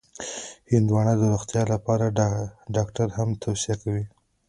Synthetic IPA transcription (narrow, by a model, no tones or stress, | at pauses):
hɪnd̪wɑɳad̪əɾuxt̪jɑlapɑɾaɖɑkʈaɾhamt̪ʰawsijakawi